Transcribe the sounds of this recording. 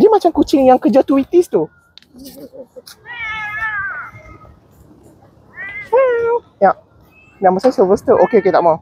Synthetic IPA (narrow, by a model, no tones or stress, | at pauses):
dimat͡ʃamkut͡ʃɪŋjaŋkəd͡ʒat̪uit̪ist̪u | u | jaʔ | naʔməsasəvəst̪əʔokeoket̪a̰ʔmãw